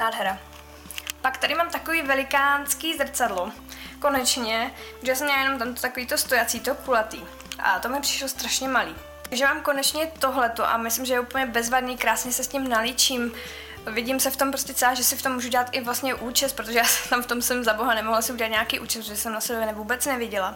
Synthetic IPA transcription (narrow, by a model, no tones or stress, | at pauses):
naːdɦɛɾa | pakt̪adɪmaːmt̪akoviːvɛlɪkaːnskiːzr̩t͡sadlo | ko̞nɛt͡ʃɲɛ | ʒjasɛmɲɛlajɛnomt̪̬amt̪o̥t̪akoviːt̪ost̪ojat͡siːt̪okulat̪iː | ʔa̰t̪omɲɛpr̥ɪ̥ʃlost̪ɾaʃɲɛmaliː | t̪aɡʒɛmaːmko̞nɛt͡ʃɲɛt̪oɦlɛt̪oʔa̰mɪslɪmʒɛjɛuːpl̩ɲɛbɛzvadniːkɾaːsɲɛsɛscɪmnalɪt͡ʃiːm | vɪɟimsɛft̪o̞mpɾoscɛt͡sɛlaʒɛsɪft̪omːuːʒuɟɛlat̪ʔɪvlast̪ɲɛʔuːt͡ʃɛst̪pɾot̪oʒɛjaːst̪amft̪o̞msɛmzaboɦanɛmoɦlasɪʔuɟɛlat̪ɲakiːʔuːt͡ʃɛstpoʒɛsɛmnasɛbɛnɛvuːbɛt͡snɛvjɛɟɛla